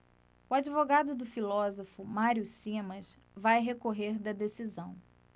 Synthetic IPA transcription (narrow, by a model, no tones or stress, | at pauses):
ʊad͡ʒivoɡad̪ʊd̪ʊfilɔzofʊmaɾiʊsĩmɐ̃s | vajɦekoɦeɾd̪ɐd̪esizɐ̃w̃